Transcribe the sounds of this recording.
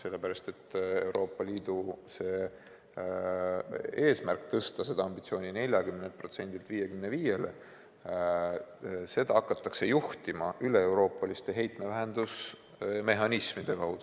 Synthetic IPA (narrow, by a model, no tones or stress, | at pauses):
se̞lːe̞pæɾɑst̪e̞t̪ːe̞wɾo̞ːpːˑɑliːd̪̥use̞ː | e̞ːsmærkˑt̪ɤst̪ɑse̞d̪̥ɑɑmbit̪sio̞ːnʲine̞lʲjɑkymnelt̪̚pro̞t̪se̞nʲd̪̥ilt̪viːje̞kymne̞viːje̞le | se̞d̪̥ɑɑkːˑɑt̪ːˑɑkse̞juht̪imɑʔyle̞ewɾo̞ːpˑːɑlist̪e̞ɦe̞jt̪ˑme̞væɦend̪us | me̞ɦɑnismid̪̥e̞kɑwd̪̥u